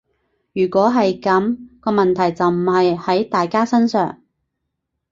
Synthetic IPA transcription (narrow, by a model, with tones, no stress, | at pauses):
jyː˨˩kʷɔː˨˥ɦɐ˨jkɐ˨˥mkɔː˧mɐ˨nt̪ʰɐ˨˩jt͡sɐ˨wm̩˨˩hɐ˨jhɐ˨˥jt̪aː˨jkaː˥sɐ˥nsœ̰ː˨ŋ